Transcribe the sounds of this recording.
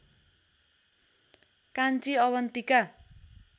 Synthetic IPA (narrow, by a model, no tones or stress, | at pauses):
kant͡siʌwʌnt̪ika